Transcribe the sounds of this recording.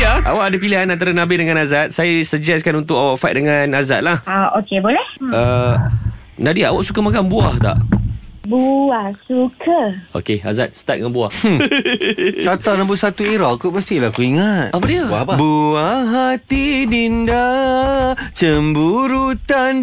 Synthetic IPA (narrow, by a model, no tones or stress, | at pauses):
aʔa̰waʔadapiliɦanãnt̪aɾanãbɪdəŋãnazat̪̚sajasəd͡ʒɛskanunt̪ʊkawaʔfat̪̚dəŋanazat̪̚lahaokebolɛhə | nadiaʔawaʔsukamakanbuaht̪a̰ʔbuahsukʰəo̰kea̰zat̪̚sə̥t̪at̪̚əŋanbuah | t͡ʃat̪anãbʊʔsat̪uiɾɔʔkubəst̪ilakuiŋat̪̚apadiəapabuaɦat̪ininda | t͡ʃəmbuɾut̪an